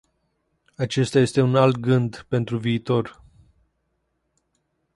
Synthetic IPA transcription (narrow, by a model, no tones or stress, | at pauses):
at͡ʃe̞st̪aje̞st̪e̞unalt̪̚ɡɨnd̪pe̞nt̪ɾuviːt̪o̞r